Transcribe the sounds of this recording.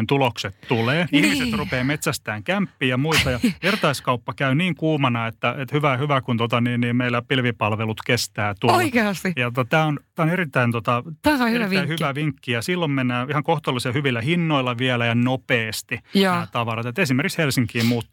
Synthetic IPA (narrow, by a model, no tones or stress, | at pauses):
nt̪ulokset̪tuleːihmiset̪rrupeːmet̪sæst̪æːŋkæmpːiːjɑmuit̪ɑjɑʋert̪ɑiskɑupːɑkæyniːŋkuːmɑnɑet̪ːæʔet̪hyʋæhyʋækunt̪ot̪ɑniːnniːmeilːæpilʋipɑlʋelut̪kest̪æːt̪uoikeɑst̪ijɑt̪ot̪ɑt̪æːont̪æːoneɾit̪ːæint̪ot̪ɑæɑhyiæʋiːæihyʋæʋiŋkːijɑsilːommenːˑæːihɑŋkoht̪olːisehyʋilːæhinːoilːɑʋiælæjɑnopeːst̪ijæːt̪ɑʋɑrɑt̪et̪esimerkikshelsiŋkiːmuːt̪ː